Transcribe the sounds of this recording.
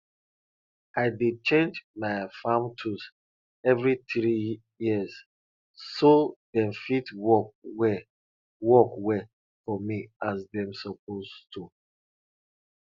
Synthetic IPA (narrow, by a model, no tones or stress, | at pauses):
aɪded̚t͡ʃẽnd͡ʒmaɪfãmtʰus | ɛvɹiθɹi | jiz | sodɛ̃mfitwɔwɛ | wɔkwɛ | fɔmiazdɛ̃msɔp̚ʰostʰu